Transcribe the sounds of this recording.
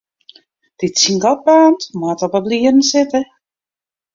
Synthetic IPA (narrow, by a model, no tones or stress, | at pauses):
d̥ɪtsiŋɡɔt̚baːntmatɔpəbliərn̩sɪtə